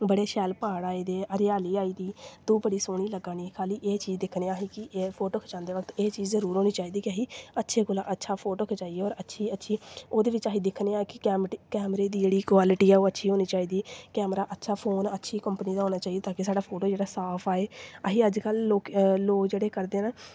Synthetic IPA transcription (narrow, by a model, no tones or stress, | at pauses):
bəɽeːʃɛːlpaːɽaːiːd̪eːʔəɾɪjaːliːaːiːd̪iːt̪oːbəɽiːsoːɽ̃iːləɡːãːniːkʰaːliːʔeːt͡ʃiːzd̪ɪkʰneːaːɦiːkɪpʰoːʈoːkʰd͡ʒãːnd̪eːʋəkʰt̪eːt͡ʃiːd͡ʒzəɾuːɾɦoːniːt͡ʃaːiːd̪iːkɪəɦiːətːʃʰeːkʊlãːʔətːʃʰaːpʰoːʈoːkʰed͡ʒaːieːɔːɾətːʃʰiːətːʃʰiːoːd̪eːʋɪt͡ʃaːɦiːd̪ɪkʰneːaːkɪɛːkɛːmɾeːd̪iːd͡ʒeːɽiːkwaːlɪʈiːɛːoːətːʃʰiːɦoːniːt͡ʃaːiːd̪iːkɛːmɾaːʔətːʃʰaːpʰoːnətːʃʰiːkəmpniːd̪aːɦoːnaːt͡ʃaːid̪eːt̪ãːkɪsaːɖaːpʰoːʈoːd͡ʒeːɽaːsaːpʰaːeːəɦiːəd͡ʒkəloːkloːkd͡ʒeːɽeːkəɾd̪eːnaː